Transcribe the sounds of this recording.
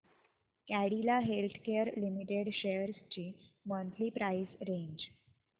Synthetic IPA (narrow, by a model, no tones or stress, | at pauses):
kæɽilaɦelt̪ʰkeəɾlimiʈeɽɕejəɾst͡ɕiːmənt̪liːpɾaisɾeɲd͡ʑ